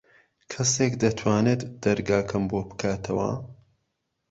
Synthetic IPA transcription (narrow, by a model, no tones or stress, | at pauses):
kʰɐsekd̪ɐt̪ʰwaːnet̪d̪̥ɐɾɡaːkʰɐmboːbɨ̥kʰaːt̪ʰɐwɐ̰